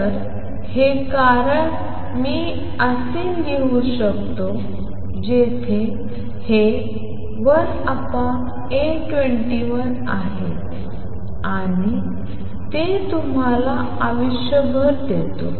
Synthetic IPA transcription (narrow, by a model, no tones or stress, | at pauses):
əɾ | hekaɾəɳ | miː | əse | ɡeʋuɕəkt̪o | d͡ʑet̪ʰe | he | ʋəɾ | apã | e | ʈʋeɳʈiʋən | aɦe | aa | ɽ̃i | t̪et̪um̤ala | aʋiɕjəɡəɾd̪et̪o̰